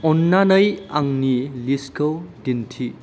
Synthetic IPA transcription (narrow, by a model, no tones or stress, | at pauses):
ɔnːanəjaŋniliskʰɐwdintʰi